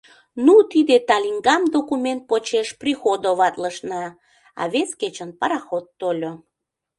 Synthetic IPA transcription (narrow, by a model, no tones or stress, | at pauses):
nut̪id̪et̪ɑlʲiŋɡɑmd̪okument̪̚pot͡ɕeʃprixod̪oβɑt̪ləʃnɑ | ɑ̰βesket͡ɕənpɑɾɑxot̪ːolʲo